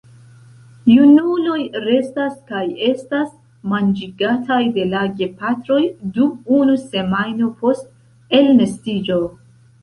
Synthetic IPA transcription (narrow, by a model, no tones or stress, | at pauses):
junulo̞jɾe̞staskaje̞stas | mand͡ʒiɡatʰajde̞laɡe̞patɾo̞jdumunuse̞majno̞pʰo̞st | e̞lme̞stid͡ʒo̞